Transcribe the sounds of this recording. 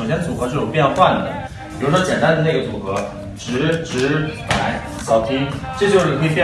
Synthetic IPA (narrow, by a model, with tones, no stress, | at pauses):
o˨˩ɕjɛ˥d̪ə˩t͡swu˨˩kɤ˧˥ʂɻ̩˥˩˧pjjxwa˥˩nə̰˨˩d̪ə̰˩ | jo˧˥ʊnɑ˥t͡ɕjɛ˨˩nt̪a˥nd̪ə˨ne˥˩ɡə˩t͡swu˨˩kɤ˧˥ | ʈ͡ʂɻ̩˧˥ʈ͡ʂɻ̩˧˥pə˩˨˩a˧˥ɪ˩t͡ɕɑ˥ʊt̪ʰi˥ʈ͡ʂɤ˥˧t͡ɕjo˥˩ʊʂ̩˥˩ni˥˧˩pjɛ˥